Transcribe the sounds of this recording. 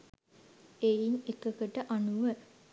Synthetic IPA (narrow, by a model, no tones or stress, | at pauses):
einekəkəʈəʔanuʋə